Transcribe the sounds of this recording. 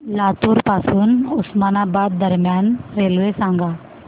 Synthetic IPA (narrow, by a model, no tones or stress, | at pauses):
laːt̪uːɾpaːsuːnʊsmaːnabaːd̪ːɐɾmjaːnɾeːlʋesãːŋɡaː